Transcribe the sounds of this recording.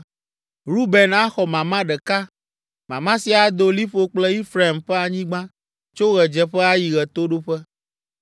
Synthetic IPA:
ɾu˦bɛ˨na˦xɔ˨mã˨mã˦ɖɛ˨ka˦ | mã˨mã˦si˨˦a˨d̪o˨li˦ɸo˦k͡plɛ˦i˦fɾa˦i˨mɸɛ˦a˨ɲĩ˦ɡ͡bã˦ | t͡ʃo˦ɣɛ˨d͡ʒɛ˨ɸɛ˦a˦ji˨ɣɛ˨t̪o˦ɖo˦ɸɛ˦

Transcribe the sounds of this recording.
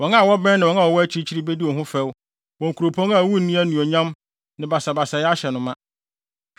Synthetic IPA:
wɔ̃˨na˦˨wɔ˦bɛ̃˦nɪ̃˨wɔ̃˨˦nã˦˨ɔ˨wɔ˦æ˦t͡ɕʰi˦ɾi˦t͡ɕʰi˦ɾi˦be˦di˦wɔ˨ɦʊ̃˦fɛ˦w | wɔ̃˨ŋ̩˨kʰu˨ɾo˨pʰɔ̃˦ŋa˨wu˦n̩˦nĩ˦æ˦nũ˨ɔ˨ɲã˦m | nɪ̃˨ba˨sa˨ba˨sa˨jɛ˦a˦ɕɛ˨nʊ̃˨mã˦

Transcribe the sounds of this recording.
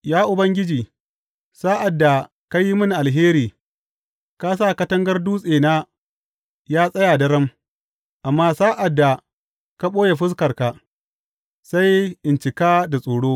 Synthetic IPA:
jaː˦ʔʊ˨bɐ˦ŋɡʲɪ˦d͡ʒiː˨ | saː˦ʔa˨dːa˨ | ka˦ji˦mʊ˦nʔa˨lɦeː˦ɾiː˨ | kaː˦s̬aː˦˨kɐ˦tɐ˦ŋɡɐ˦rduː˦sʼeː˨naː˦ | jaː˦sʼɐ˦jaː˨dɐ˨ɾɐ˦m | ʔa˨mːaː˦saː˦ʔa˨dːa˨ | ka˦ɓoː˦je˨ɸɪ˦s̬kɐ˨rka˨ | sa˦jʔɪ˨nt͡ʃɪ˨kaː˦da˨sʼoː˨ɽoː˦

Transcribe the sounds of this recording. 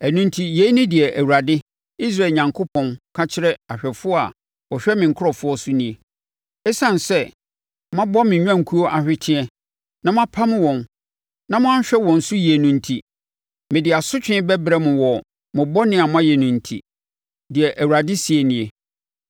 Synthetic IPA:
æ˨nũ˦ntʰi˦je˦nĩ˦dɪ˨ɛ˨ʔæ˨wu˨ɾa˨dɪ˦ | i˦s̬ɾa˦˨lɲã˨ŋkʰʊ˦pʰɔ̃˨nkʰa˦t͡ɕʰɪ˦ɾɛ˦a˨ɕᶣɛ˨fʊ˦ɔ˦a̰˨ | wɔ˨ɕᶣɛ˦mɪ̃˨ŋ̩˨kʰʊ˦ɔ˨fʊ˦ɔ˦sʊ˦nĩ˨e˨ | ɛ˦sã˨n˨sɛ˦ | mã˦bɔ˦mɪ̃˨ɲᶣ˦ã˦ŋ̩˨kʰu˦o˦ʔa˨ɕᶣɪ˦tʰɪ̃˦ɛ˦ | nã˦mã˦pʰa˦m̃˦wɔ̃˨n | nã˦mʊ̃˦ã˦ɕᶣɛ˦wɔ̃˨n̩˨sʊ˦ji˨e˨nũ˨n̩˦tʰi˦ | mɪ̃˨dɪ˨a˨sʊ˦t͡ɕᶣɪ̃˦bɛ˦bɾɛ˦mʊ̃˨wɔ˨ | mʊ̃˨bɔ˦nɪ̃˦a˨mã˦jɛ˨nũ˨n̩˨tʰḭ˨ | dɪ˨ɛ˨ʔæ˨wu˨ɾa˨dɪ˦si˨e˨nĩ˨e˨

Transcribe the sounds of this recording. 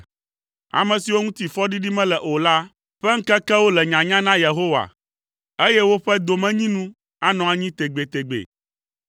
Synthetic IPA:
a̰˨mɛ̃˨si˨wo˦ŋũ˦t̪i˨fɔ˦ɖi˦ɖi˦mɛ̃˦lɛ˨ʔo˨la˦ | ɸɛ˦ŋ̩˦kɛ˦kɛ˦wo˦lɛ˨ɲã˨ɲã˦nã˦je˨ɦo˦wa̰˨ | e˦jɛ˦wo˦ɸɛ˦d̪o˨mɛ̃˦ɲĩ˦nũ˦ | a˦nɔ̃˨a˨ɲĩ˦t̪e˨ɡ͡be˨t̪e˨ɡ͡bḛ˨

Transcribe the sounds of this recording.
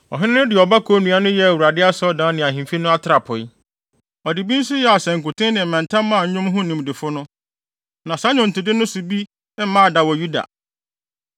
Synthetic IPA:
ɔ̰˨ɦɪ˦ɪ̃˦nʊ̃˦dɪ˨ɔ˨ba˦kʰo˦nũ˨˦a˦nʊ̃˦jɛ˦a˨wu˨ɾa˨dɪ˦a˦sɔ˦dãː˨˦nɪ̃˨a˨ɦĩ˨m˨fi˦nʊ̃˦a˦tʰɪ˦ɾa˨pʰʊ˨ɪ˦ | ɔ˨dɪ˨bi˦n̩˦sʊ˦jɛ˨a˨sɛ̃˨ŋ̩˨kʊ˨tʰɪ̃˦nɪ̃˨m̩˨mã˨n˨tʰã˦m˦mã˦˨ɲ̩˦ɲʊ̃˦mɦʊ̃˦nĩ˨mdɪ˨fʊ˦nʊ̃˦ | nã˨sa˦ɲʊ̃˨n̩˨tɪ˨dɪ˦nʊ̃˦sʊ˨bi˦ | ɛ˦m̩˦mã˦˨da˨wɔ˨ju˦da̰˨

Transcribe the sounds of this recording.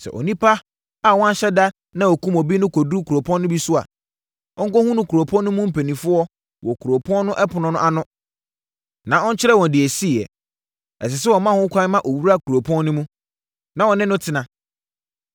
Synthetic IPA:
sɛ̰˨ʔo̰˨nĩ˦pʰa˦ | a˨wɔ̃˦ɕɛ˦da˦ | nã˦ɔ˨kʰũ˦mɔ˨bi˦nʊ̃˦kʰo˨du˦kʰu˨ɾo˨pʰɔ̃˦nːʊ̃˦bi˦sʊ˦a̰˨ | ɔ˦ŋ̩˦kɔ˦hũ˦nʊ̃˦kʰu˨ɾo˨pʰɔ̃˦nːʊ̃˦mũ˦m̩˦pʰe˨nĩ˨fʊ˦ɔ˦ | wʔɔ˨kʰu˨ɾo˨pʰɔ̃˦nnʊ̃˦ʔɛ˦pʰʊ˨nʊ̃˨nʊ̃˦ʔa˨nʊ̃˦ | nã˨ɔ˦ɲ̩˦t͡ɕʰɪ˦ɾɛ˦wɔ̃˨ndɪ˨ɛ˨si˦˨ɛ̰˨ | ɛ̰˨s̬ɪ˨s̬ɛ˦wɔ˨mã˦hʊ̃˦kʷʰã˦n˦mã˦ʔo˨wu˦ɾa˦˨kʰu˨ɾo˨pʰɔ̃˦nːʊ̃˦mũ˦ | nã˨wɔ˨nɪ̃˦nʊ̃˦tʰɪ˨nã˨

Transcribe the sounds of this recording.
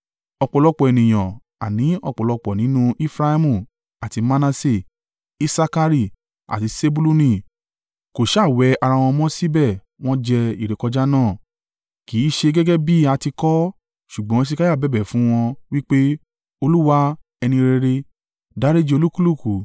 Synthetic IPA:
ɔ˧k͡pɔ˨lɔ˧k͡pɔ˨ɛ˨nĩ˨j̃ɔ̃˨ | a˨nĩ˨˦ɔ˧˨k͡pɔ˨lɔ˧k͡pɔ˨nĩ˨˦nũ˦ʔi˦fɾa˧i˧mũ˦˧˨ | a˨ti˧ma˧na˧se˧˨ | i˦sa˧ka˧ɾi˧˨ | a̰˨ti˨˧se˧bu˧lu˦nĩ˦˨ | ko˨ʃa˦˨wɛ˧˦a˧ɾa˧w̃ɔ̃˧mɔ̃˦si˦bɛ˦˨ | w̃ɔ̃˦d͡ʒɛ˧i˦˨ɾe˨˦kɔ˧d͡ʒa˦nãː˦˨ | ki˨˦ʃe˧ɡɛ˦ɡɛ˦bi˦a˧ti˧kɔ˦ | ʃu˨ɡ͡bɔ̃˦ʃ̬i˧ka˦ja˦˨bɛ˦˨bɛ˨fũ˨˦w̃ɔ̃˧wi˦k͡pe˦ | o˧lu˦wa˧ | ɛ˧nĩ˧ɾe˧ɾe˧ | da˦ɾe˦d͡ʒi˧o˧lu˦ku˦lu˦˨ku˨

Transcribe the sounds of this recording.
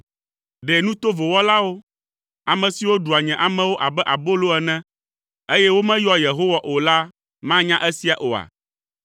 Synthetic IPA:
ɖɛ˨nũ˦t̪o˦vo˨wɔ˦la˦wo˦ | a˨mɛ̃˨si˨wo˦ɖu˨a˨ɲɛ̃˨ʔa˨mɛ̃˦wo˦ʔa˨bɛ˦ʔa˨bo˦lo˦ɛ˨nɛ̃˦ | e˦jɛ˦wo˦mɛ̃˦jɔ˦je˨ɦo˦wa˨ʔo˨la˦ | mã˦ɲã˦ʔɛ˦si˦a˨ʔo˨a̰˨

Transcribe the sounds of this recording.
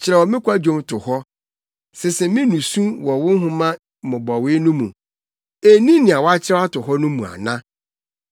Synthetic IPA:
t͡ɕʰɪ˨ɾɛ˨wɔ˨mɪ̃˦kʷa˦d͡ʑᶣõ˦mtʰʊ˨hɔ˦ | sɪ˨sɪ˨mɪ̃˦nũ˨sũ˦wɔ˨wʊ˦ɦʊ̃˦mã˦˨ | mʊ̃˨bɔ˨wɪ˦nʊ̃˦mũ˨ | e˨nĩ˦nɪ̃˨a˨wɔ˦a˦t͡ɕʰɪ˦ɾɛ˦a˦tʊ˨ɦɔ˦nʊ̃˦mũ˨a̰˨nã˦

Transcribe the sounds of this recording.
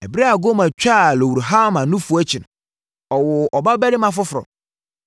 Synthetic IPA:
ɛ˨bɾa˦a˨ɡo˦mã˨t͡ɕᶣa˦˨lɔ˨wu˨ɾɦa˦˨mã˨nũ˦fu˨˦ɛ˦t͡ɕʰɪ˨nʊ̃˨ | ɔ˨wʊ˨ʔɔ˨ba˦bɛ˦ɾɪ˦mã˨fʊ˦fʊ˨ɾɔ̰̃˨m

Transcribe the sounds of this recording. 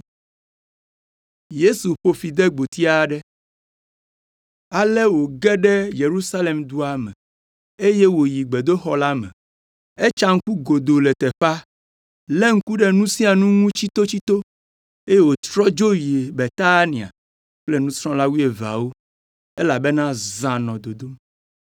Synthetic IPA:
je˦su˨ɸo˦fi˨d̪ɛ˦ɡ͡bo˨t̪i˦a˦ɖɛ˦ | a˨lɛ˦wo˨ɡɛ˦ɖɛ˦je˨ɾu˦sa˦le˨md̪u˦a˨mɛ̰̃˨ | e˦je˦wo˨ji˨ɡ͡be˨d̪o˦xɔ˦la˦mɛ̰̃˨ | e˦t͡ʃa˦ŋ̩˦ku˦ɡo˨d̪o˨lɛ˨t̪ɛ˨ɸa˦ | le˦ŋ̩˦ku˦ɖɛ˦nũ˦sĩ˦a˨nũ˦ŋũ˦t͡ɕi˦t̪o˦t͡ɕi˦t̪o˦ | e˦je˦wo˨t̪ɾɔ˦d͡ʒo˦ji˨e˨be˨t̪a˦nĩ˨a̰˨ | k͡plɛ˦nũ˦sɾ̃ɔ̃˦la˦wu˦e˨va̰˨wo˦ | e˦la˨be˦nã˦zã˨nɔ̃˨d̪o˨d̪o˦m

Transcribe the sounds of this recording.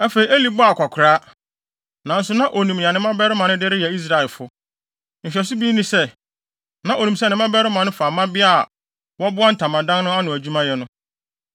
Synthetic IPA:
æ˦fe˨i˨˦e˦li˨bʊ˦a˨kʷʰa˨kʰʊ˨ɾaː˦ | nã˨n̩˦sʊ˦nã˦ʔo˨nĩ˨m̃˨ã˨nɪ̃˦mã˦bɛ˦ɾɪ˦mã˨nʊ̃˦dɪ˦ɾɪ˦jɛ˨i˦s̬ɾa˨ɛ˨lfʊ˦ | n̩˨ɕᶣɛ˨sʊ˦biː˦nĩ˦sɛ˦ | nã˨ʔo˨nũ˨msnɪ̃˦mã˦bɛ˦ɾɪ˦mã˨nʊ̃˦fa˨mã˦bɪ˦a̰˦˨ | wɔ˦bʊ˦a˦n̩˨tʰã˨mã˨dã˦nnʊ̃˦a˦nʊ̃˨æ˨d͡ʑᶣu˦mã˦jɛ˦nʊ̃˦

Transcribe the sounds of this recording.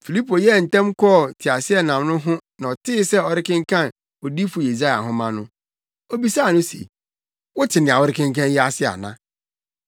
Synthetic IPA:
fi˨li˦pʰo˨jɛ˦˨n̩˨tɛ̃˦mkʰɔ˦˨tʰi˨a˨sɪ˦ɛ˦nã˨mnʊ̃˦ɦʊ̃˦nã˨ɔ˨tʰɪ˦sɛ˦ɔ˨ɾɪ˦kɪ̃˦ŋ̩˦kʰã˦n | o˨di˦fu˨je˨za˦ja˨ɦʊ̃˦mã˦nʊ̃˦ | o˦bi˦saː˦˨nʊ̃˦sḛ˨ | wʊ˦tʰɪ˨nɪ̃˨a˨wɔ˦ɾɪ˦kɪ̃˦ŋkʰã˦n˦ji˦a˦˨sɪ˦˨a̰˨nã̰˦

